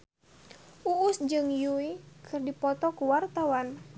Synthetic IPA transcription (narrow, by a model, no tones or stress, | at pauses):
ʔuːsd͡ʒɨŋjuikʰɨrdipɔt̪ɔkuwart̪awan